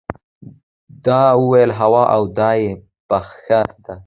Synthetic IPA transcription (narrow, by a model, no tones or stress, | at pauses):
d̪ɑwuwajəlɦawɑʔawd̪ɑje | paxxad̪a